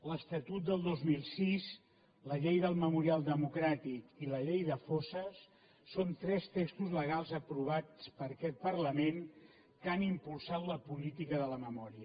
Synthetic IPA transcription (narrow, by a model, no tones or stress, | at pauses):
ləst̪ət̪ut̪̚d̪əlˠd̪ozmilˠsis | ləʎejðəlˠməmuɾialˠd̪əmukɾat̪ikiləʎejðəfosəsː | ont̪ɾɛst̪ekst̪uzləɣ̞alˠzəpɾuβ̞at͡spəɾəkɛt̪̚pərləmen | kanimpulˠsat̪ləpulit̪ikəðələməmɔɾiə